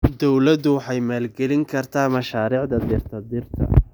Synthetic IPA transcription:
d̪ɔwlɐd̪ʊwɑħɑjmaːlɡɛlɪŋkʰɐrt̪ʰaːmɐʃaːɾiːʕd̪ɐd̪ɪrt̪ʰɐd̪ɪrt̪ʰɐ̰

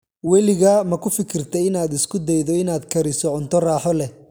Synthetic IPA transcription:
wɛlɪɣamɐkʰʊfɪkʰɪrt̪ʰɛjɪnaːd̪ɪskʰʊd̪ɛjðɔɪnaːd̪kʰɐɾɪsɔʕʊnt̪ʰɔraːħɔlɛ

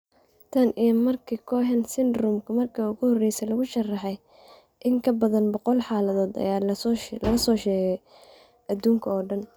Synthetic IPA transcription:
t̪ʰɐnʔijɐmɐrkʰikʰɔːɦɛnsɪnd̪rʊmkʰʊmɐrkʰɐʊɣʊhɔrɛjsɛlɐɣʊʃɐrɑħɛj | ʔɪŋkʰɐbɐðɐnbɔqɔlħɑːlɐðɔːd̪ɐ̰jaːlɐlɐsɔːʃɛːɣɛj | ʔɐd̪uːŋkʰɐɔːɖɐn

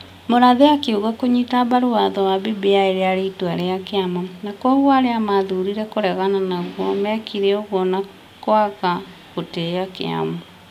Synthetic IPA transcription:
moɾaðeakeuɣakoɲitaβaɾoaðɔwaβebeaeɾeaɾeituaɾeakeamanakwɔɣwaɾeamaðuɾiɾɛkoɾɛɣananaɣwɔmɛkiɾeɔɣwɔna | kwaka | ɣoteakḛa̰ma

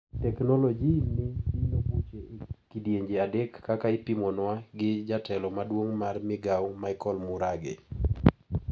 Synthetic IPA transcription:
tɛknɔlɔd͡ʒinɪinobut͡ʃekidjeɲd͡ʒeadɛkːakaɪpimɔnwaɡɪd͡ʒatɛlɔmadwoŋmarmɪɡawmaɪkɔlmʊɾaɡḛ

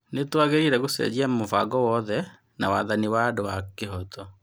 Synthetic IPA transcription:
netwaɣeɾiɾɛɣosɛ̰d͡ʑiamofa̰ɡɔwɔðɛ | nawaðaniwadowakeɦɔtʰɔ

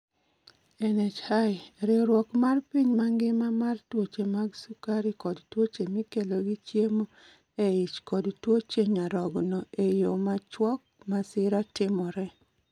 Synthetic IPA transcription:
ɛnɛt͡ʃhajɾɪɾwɔkmarpiɲmaŋɡɪmamartwot͡ʃemaɡsukaɾikɔdtwot͡ʃemikeloɡit͡ʃjemo | eɪt͡ʃkɔdtwot͡ʃeɲaɾɔɡnɔejomat͡ʃwɔk̚masɪɾatɪmɔɾɛ

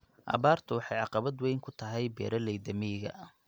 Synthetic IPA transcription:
ʔɐ̰βaːrt̪ʰʊwɑħɑjʕɑqɑβɐd̪wɛjŋkʰʊt̪ʰɐɦɛjbɛ̰ːɾɐlɛjd̪ɐmijɣɐ̰ʔ

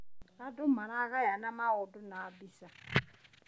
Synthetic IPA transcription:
adʊmaɾaɣajanamaʊdʊnaːbisa

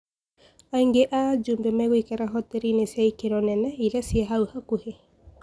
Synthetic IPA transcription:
aiŋɡeʔad͡ʒumbemɛɣoikaɾaɦɔt̪eɾinesiaikeɾɔnɛnɛiɾɛsiaɦauhakuhe

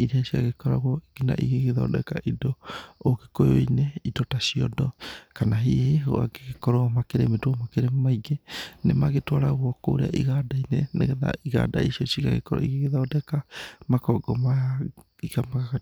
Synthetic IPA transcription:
iɾeasiaɣekɔɾa̰ɣɔiɡina̰ʔḭɣeɣeðɔ̰dɛ̰kaʔidookekojoineitɔtasiɔ̰dɔkanaɦiheo̰a̰ɡeɣekɔɾɔɔmakeɾemedwɔmakeɾemmaiɡenemaɣetwaɾaɣwɔko̰ɾḛa̰ʔiɣadainɛnḛɣɛða̰iɣa̰da̰isiɔsiɣaɣḛkɔɾɔ̰iɣeɣeðɔdɛkamakɔɡɔmaja | ikamakaka

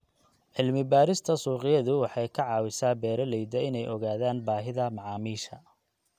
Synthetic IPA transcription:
ʕɪlmɪbaːɾɪst̪ʰɐsuːqɪjɐðʊwɑħɑjkʰɐʕɑːwɪsaːbɛːɾɐlɛjd̪ɐɪnɛjʔɔɣaːðaːnbaːɦɪðɐmɑʕɑːmiːʃɐ

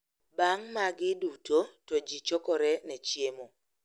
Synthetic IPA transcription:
baŋmaɡɪdutʰotɔd͡ʒit͡ʃɔkɔɾɛnɛt͡ʃjemo

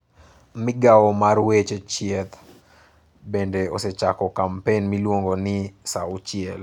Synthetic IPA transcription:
mɪɡawɔmarwet͡ʃet͡ʃiɛt̪ | bendeoset͡ʃakɔkampenmilwoŋɡonɪsaʊt͡ʃiɛl

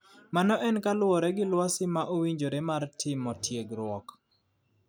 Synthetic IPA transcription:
manɔʔɛnkalʊɔɾɛɡɪlwasɪmaʔowiɲd͡ʒoɾemartʰɪmɔtʰjeɡɾʊɔk

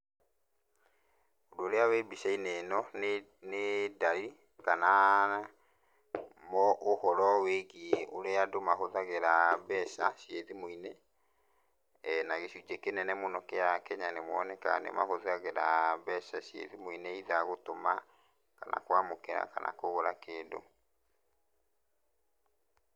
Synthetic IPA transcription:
odoːɾeawebisainenɔn | nedaɾi | kana | mɔʔohɔɾɔweɡioɾeadomaɦoðaɣeɾabɛʃaɕjeðimoine | naɣeɕud͡ʒekenɛnɛmonɔkɛakɛɲanemwɔnɛka̰nḛma̰hoðaɣeɾabɛʃaʃjḛðimoineiðaɣotoma | kana̰kwamokɛɾa̰ka̰na̰koɣoɾakeːdo̰

